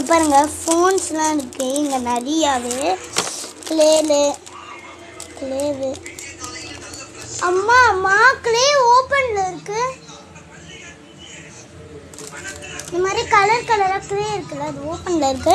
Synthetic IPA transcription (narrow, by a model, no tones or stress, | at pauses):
pːaːɾɯŋɡɐfoːnslãːɪɾɯkːɯ̃ɪŋɡɐnɐɾɪjaːʋɯ | kɪleːlɯ | kɪleːʋɯ | ɐmːaːɐmːaːkɪleːoːpɐnlɐɪɾɯkːɯ | ɪnd̪ɐmaːd̪ɾikɐlɐɾkɐlɐɾaːkɪleːɪɾɯkːɐɭːɐːðɯoːpɐnlɐɪɾɯkːɯ